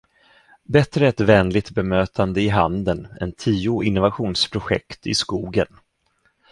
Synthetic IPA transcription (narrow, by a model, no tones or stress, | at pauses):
bɛt̪ɾəɛt̪vɛːnlɪt̪bɛmøːt̪ʰand̪əɪɦand̪ənɛ̰nt̪ʰiːʊɪnːʊvaɧuːnspʰɾʊɧɛ̰kt̪ɪ̰skuːɡən